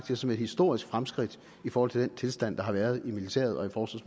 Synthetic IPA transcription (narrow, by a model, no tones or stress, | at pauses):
ɡ̥̚d̥esɒ̽me̝̥hisd̥o̝ɐ̰isɡ̥fʁamsɡ̥ʁid̥ | ifɒɔːhɒl̰t͡sʰe̝d̥ent͡sʰe̝lsd̥æn̰d̥ɑ̈ɦɑ̈ʋæɐð̞ˠimilit͡sʰḛːɐð̞ˠɒ̽ifɒːsəsm